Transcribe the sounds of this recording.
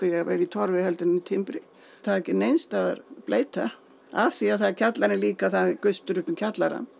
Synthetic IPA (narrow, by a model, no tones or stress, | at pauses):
kajɛɣavḛjɾɪit̪ʰɔɾvɪhɛlt̪ɪnɪnit̪ʰɪmpɾɪ | θaðɛcɪnejnst̪aða̰ɾpleːjt̪a | a̰fθiaðθaðcʰat̪laɾnɪliːkaθaɪkʏst̪ʏɾʏpʏmcʰat̪laɾa̰n